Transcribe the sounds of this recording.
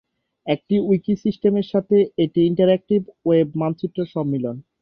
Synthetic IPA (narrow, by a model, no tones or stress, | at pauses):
ek̚ʈiujkisisʈemeɾʃat̪ʰeeʈiiɳʈaɾek̚ʈibwebmant͡ɕʰuʈ̪ːɾoɾʃɔbːilon